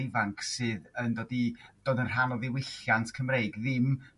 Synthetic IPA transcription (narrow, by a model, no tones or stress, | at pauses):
ɪvaŋkʰsɨːðəndoːdid̥oːdənr̥anɔviwɪɬjantʰkʰəmreɨɡðɪm